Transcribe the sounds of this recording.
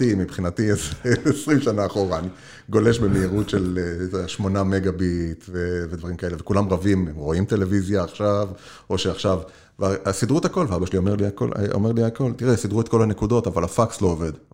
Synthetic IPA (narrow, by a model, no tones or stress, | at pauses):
timipχinat̪ieseesʁimʃanaːχoʁaːni | ɡo̞le̞ʃbemeiʁutʃeleʃmo̞nameɡabit̪veved̪vaʁimkae̞levekulamʁavimemʁo̞imt̪e̞le̞vizjaːχʃav | o̞ʃeaχʃav | vaasid̪ʁut̪hako̞lveabaʃelio̞meʁliako̰l̰ʔo̰me̞ʁliako̞lt̪iʁesid̪ʁuet̪̚ko̞lanekud̪o̞t̪avalafakslo̞ːved̪